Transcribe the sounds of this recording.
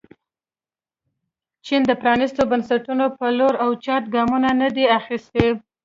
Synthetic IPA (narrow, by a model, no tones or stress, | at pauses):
t͡ʃind̪əpɾɑnist̪obansaʈunopəloɾawt͡ʃɑt̪ɡɑmunanəd̪eaxist̪e